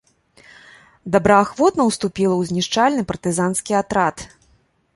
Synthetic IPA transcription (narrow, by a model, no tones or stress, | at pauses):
d̪ɐbɾɐaxvɔt̪nɐwst̪upʲilˠɐwzʲnʲiʂt͡ʂalʲnɨpɐrt̪ɨzanskʲiat̪ɾat̪